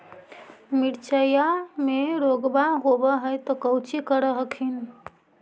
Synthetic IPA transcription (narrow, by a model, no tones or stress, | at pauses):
miɽt͡ʃəjameɾoɡbaɦobəɦəjt̪ɔkəwt͡ʃikəɾəɦəkʰin